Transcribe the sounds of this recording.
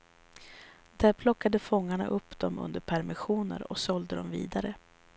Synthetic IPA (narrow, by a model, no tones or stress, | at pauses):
d̪æːɾpʰlɔkːad̪əfɔŋːaɳa̰ʔɵpːd̪̥ɔmɵ̰nd̪əɾpʰæɾmɪɧuːnə̰ɾɔ̰ksɔld̪əd̪ɔmvḭːd̪aɾə